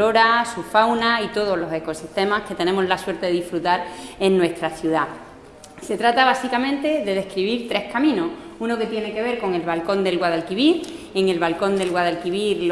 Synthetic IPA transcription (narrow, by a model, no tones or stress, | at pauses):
oɾasufawnait̪o̞ð̞o̞ɦlo̞se̞ko̞siht̪e̞mahke̞t̪enẽ̞mo̞ɦlaswe̞ɾt̪eðeðifɾut̪aɾe̞nnwe̞st̪ɾaθjuða | se̞t̪ɾat̪aβ̞asikamẽ̞nt̪e̞ðe̞ðe̞hkɾiβiɾt̪ɾe̞hkamĩnouno̞ke̞t̪je̞ne̞ke̞β̞e̞ɾko̞ŋe̞lβalko̞nd̪e̞lɣwaðalkiβiɾ | e̞ŋe̞lβalko̞nd̪e̞lɣwaðalkiβiɾl